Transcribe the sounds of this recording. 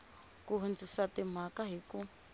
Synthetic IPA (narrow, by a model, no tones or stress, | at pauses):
kuɦund͡zʱisatim̤akaɦiku